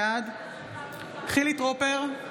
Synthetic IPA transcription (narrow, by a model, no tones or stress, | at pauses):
ad̪ | χilit̪ʁopeʁ